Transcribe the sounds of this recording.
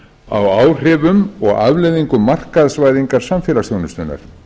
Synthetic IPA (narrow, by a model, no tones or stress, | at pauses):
a̰waːwr̥ɪvʏmɔɣavlɛjðiŋkʏmːar̥kaðsvaːjðiŋkaɾ̥samfɛːlasθjownʏst̪ʏnːa̰ɾ̥